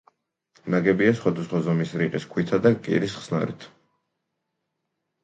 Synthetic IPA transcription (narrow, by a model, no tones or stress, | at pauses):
naɡɛbiasχwad̪asχwazɔmisɾiqʼiskʰwit̪ʰad̪akʼḭɾisχsna̰ɾḭt̪ʰ